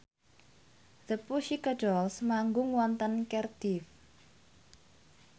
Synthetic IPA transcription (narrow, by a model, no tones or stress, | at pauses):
ð̥əpuʃikədɔlsmaŋɡʊŋwɔnt̪ənkɛrd̪̥if